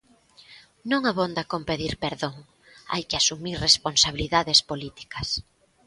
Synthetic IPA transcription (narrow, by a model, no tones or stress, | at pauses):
nõŋaβond̪akompeðiɾpeɾðoŋ | a̰jkɪasumiɾresponsaβiliðaðespolit̪i̥kɐs